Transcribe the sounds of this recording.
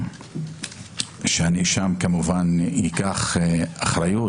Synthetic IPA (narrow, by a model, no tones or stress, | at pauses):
ʃeaniʃamkamuvanjikaχaχɾaju